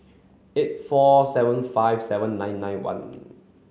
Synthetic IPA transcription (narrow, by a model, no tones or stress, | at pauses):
et̚fɔsɛvə̃nfajvsɛvə̃nːãɪ̃nːãj̃nwã̰n